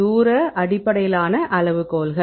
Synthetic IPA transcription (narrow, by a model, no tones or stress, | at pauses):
uːɾɐʔɐɽɪpːɐɽɐjɪlaːnɐʔɐɭɐʋɯkoːlɣɐ